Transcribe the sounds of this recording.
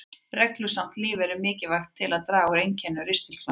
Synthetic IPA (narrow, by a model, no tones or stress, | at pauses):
rɛklʏsam̥t̪liːvɛɾʏmɪːcɪvaxt̪ʰːɪlaðt̪ɾaːɣʏɾejncʰɛnːʏɾɪst̪ɪl̥fla